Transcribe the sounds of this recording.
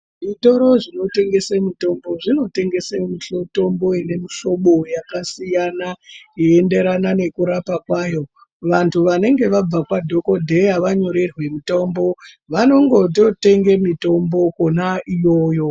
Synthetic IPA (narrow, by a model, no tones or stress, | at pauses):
ʐitoɾo̞ʐino̞te̞ŋɡe̞semito̞mbo̞ʐino̞te̞ŋɡe̞semiɬoto̞mbo̞ine̞miʃo̞ɓo̞jakasijanajiende̞ɾanane̞kuɾapakwaːjo̞ | ʋantʰuʋane̞ŋɡe̞ʋab͡vakwadʱo̞ko̞dʱe̞jaʋaɲo̞ɾe̞rwe̞mito̞mbo̞ | ʋano̞ŋɡo̞t̬o̞te̞ŋɡemito̞mbo̞konaijo̞ːjo̞